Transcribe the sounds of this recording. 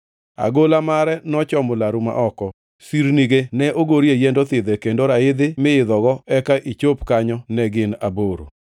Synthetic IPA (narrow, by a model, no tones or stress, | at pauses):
a̰ɡolamaɾɛnɔt͡ʃɔmʊlaɾuma̰ʔɔkɔ | siɾniɡenɛʔoɡoɾijejendot̪ɪd̪ɛkendoɾaɪd̪ɪmɪɪd̪ɔɡɔɛkaʔit͡ʃopkaɲɔnɛɡɪna̰boɾo̰